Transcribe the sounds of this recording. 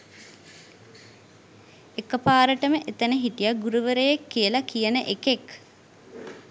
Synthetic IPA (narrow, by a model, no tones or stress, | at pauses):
ekːəpaːɾəʈəməʔet̪ənəɦiʈijaɡuɾuʋəɾəjekːijəlakijənəʔekek